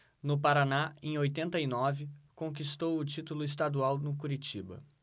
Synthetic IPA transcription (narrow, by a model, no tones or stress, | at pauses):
nʊpaɾanaḛ̃j̃ojt̪ẽnt̪ɐinɔvɪkõkist̪owʊt͡ʃit̪ulʊɪst̪ad̪uawnʊk̬uɾit͡ʃibɐ̰